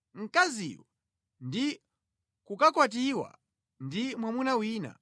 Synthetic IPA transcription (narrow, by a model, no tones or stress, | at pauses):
ŋ̩kazḭwa | ndi | kukakwat̬iwa̰ | ndimwamunawiːna̰